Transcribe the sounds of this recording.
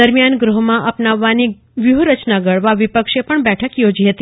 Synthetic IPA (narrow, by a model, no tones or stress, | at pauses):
əɾmijanɡɾuɦmãʔəpnaʋːani | ʋjuɦɾət͡ʃnaɡəɭʋaʋɪpəkʃepəɳbɛʈʰəkjod͡ʒiɦət̪i